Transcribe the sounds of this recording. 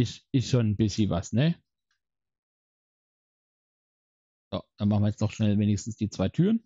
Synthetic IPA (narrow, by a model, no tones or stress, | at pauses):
ɪʃɪsʃoːnnbɪsçəvasnɛ | j̥o̰ːd̥anmaχn̩viəjɛt͡sdɔχʃnɛlveːnɪçstn̩sd̥iːt͡sv̥aɪtʰyːʁən